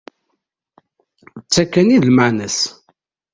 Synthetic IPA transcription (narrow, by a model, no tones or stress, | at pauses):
t͡sːækːæniðlmaʕnæs